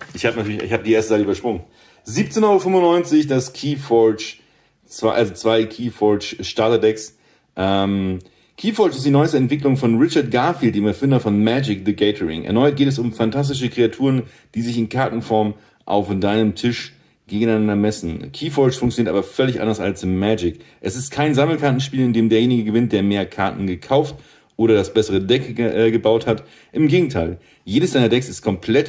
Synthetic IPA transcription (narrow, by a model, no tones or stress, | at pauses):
ʔɪçhaːbənatyɐçɪ̰çhaːbədiːʔeːɐstəzaɪtʔybɐʃpʁ̥ʊŋən | ziːp̚t͡seːnhɔʁoəfʏmʊnːɔʏnt͡sɪçd̥askʰiːfɔt͡ʃ | t͡sv̥aʔalzot͡sv̥aɪkʰiːfɔt͡ʃʃtaɐtadɛks | ʔɛm | kʰiːfɔɐt͡ʃɪstd̥iːnɔʏəstəɛntv̥ɪklʊŋfɔnʁɪt͡ʃɐɐt̚ɡ̥aɐfiːlt̚d̥eːmɛɐfɪndɐfɔnmɛd͡ʒɪkdəɡɛɪtʰəʁɪ̰ŋʔɛ̰ɐnɔʏt̚ɡ̥eːtɛs̬ʊmfantʰas̬tɪʃ̬əkʁ̥eatʰuːʁən | d̥iːzɪçɪnkʰaɐtn̩fɔɐm | ʔa̰ʊfd̥aɪnəmtʰɪʃ | ɡ̥eːɡŋ̩aɪnandɐmɛsn̩kʰiːfɔt͡ʃfʊŋkt͡sjoniːɐtaːbɐfœlɪçʔa̰ndɐsa̰lsɪmɛːd͡ʒɪkʔɛsɪst̚kʰaɪnzaml̩kʰaɐtn̩ʃpiːlɪndeːmdeːɐjeːnɪɡəɡəvɪnt̚d̥eːɐmeːɐkʰaɐtn̩ɡəkʰaʊft | ʔoːɾɐdasb̥ɛsəʁ̞ədɛkːɡəbaʊthat | ʔɪmɡeːɡŋ̩tʰaɪl | jeːdəsd̥aɪnɐdɛksɪstkʰɔmpʰl̥ɛt